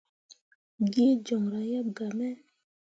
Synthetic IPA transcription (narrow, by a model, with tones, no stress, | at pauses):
ɡe˦d͡ʒɔ˨ŋɾa˨ja˦b̚ɡa˨mɛ˦